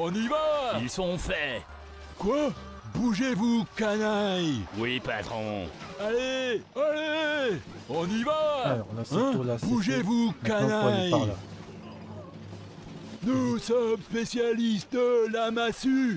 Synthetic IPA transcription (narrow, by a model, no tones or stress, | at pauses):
ɔ̃nivailsɔ̃fɛ | kwa | buʒevukanajwipat̪χɔ̰̃aleale | ɔ̃nivã | buʒevukanaj | nusɔmspesjalist̪̚d̪əlamasy